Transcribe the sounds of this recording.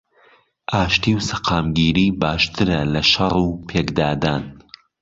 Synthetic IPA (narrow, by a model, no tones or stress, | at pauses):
ʔaːʃt̪iwsɐqʰaːmɡiːɾiːbaːʃt̪ʰɨɾɐlɐʃɐruːpʰeːkd̪aːd̪aːn